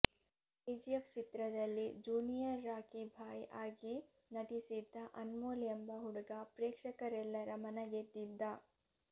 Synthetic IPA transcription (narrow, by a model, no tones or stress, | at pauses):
ed͡ʒijeft͡ʃit̪ɾɐd̪ɐlːid͡ʒuːnijɐɾːaːkibʱaːjʔaːɡi | nɐʈisid̪ːɐʔɐnmoːljɐmbɐɦuɽɐɡɐpɾeːkʂɐkɐɾɛlːɐɾɐmɐnɐɡed̪ːid̪ːɐ